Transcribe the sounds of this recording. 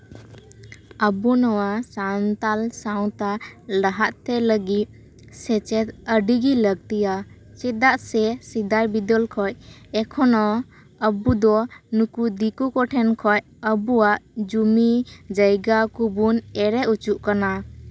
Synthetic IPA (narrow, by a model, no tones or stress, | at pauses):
əbunɔwasant̪alsaw̃t̪alaɦaʔ̪t̪ɛləɡit̪̚ | sɛt͡ʃɛt̪əɖiɡiləɡ̚t̪ija | t͡ʃɛd̪aʔsɛsid̪ajbid̪ɔlkʰɔjɛkʰɔnɔ | əbud̪ɔnukud̪ikukɔʈʰɛnkʰɔj | əbuwaʔd͡ʒumid͡ʒəjɡakubunɛɾɛut͡ʃuʔkana